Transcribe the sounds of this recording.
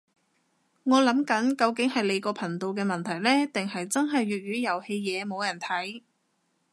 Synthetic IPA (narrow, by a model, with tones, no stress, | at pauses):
ŋɔː˨˧lɐ˨˥mkɐ˨˥nkɐ˧wkɪ˨˥ŋhɐ˨jle˨˧jkɔː˧pʰɐ˨˩ŋt̪o˨˧wk̬ɛː˧mɐ˨nt̪ʰɐ˨˩jlɛː˥t̪ɪ˨ŋhɐ˨jt͡sɐ˥nɦɐ˨jɥyː˨t̚ɥyː˨˧jɐ˨˩whe˧jjɛː˨˧mo˨˧wjɐ˨˩nt̪ʰɐ˨˥j